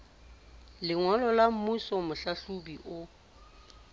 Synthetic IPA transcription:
lɪŋwɔlɔlam̩musɔmʊɬaɬubiʔʊ

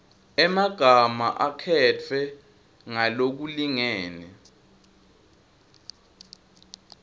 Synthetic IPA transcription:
ɛmaɡ̥ʱama̰ʔakʰɛt͡fʰɛ | ŋalok̬uliŋɛːnɛ

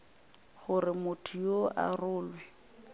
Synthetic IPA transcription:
χʊrɪmʊtʰʊjoʔa̰rʊːlwɛ

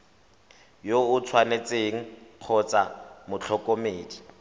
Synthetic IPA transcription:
joʊt͡sʰwanet͡sʼeŋ̩q͡χʰɔt͡samʊt͡ɬʰɔkʼomeːdi

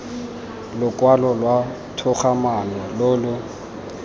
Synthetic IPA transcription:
lʊkʼwalɔlwa | tʰʊχamanɛlʊlʊ

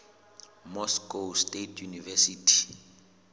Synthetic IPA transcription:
mɔskostʼetʰjunivɛsiːtʰi̥

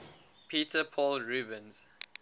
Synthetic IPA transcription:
pʰiːtʰəpʰɔːlɹuːbə̃nz̥

